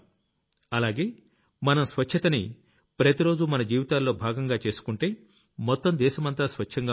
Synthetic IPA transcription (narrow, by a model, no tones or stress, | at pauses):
ɐlaːɡe̞ː | mɐnɐmsʋɐt͡ʃʰɐt̪ɐni | pɾɐt̪iɾo̞ːd͡ʒumɐnɐd͡ʒiːʋit̪aːlːo̞ːbʱaːɡɐŋɡaːt͡ʃe̞ːsu̥kuɳʈe̞ː | mɔt̪ːɐmd̪ɛːʃɐmɐnt̪aːsʋɐt͡ʃt͡ʃʰɐŋɡaː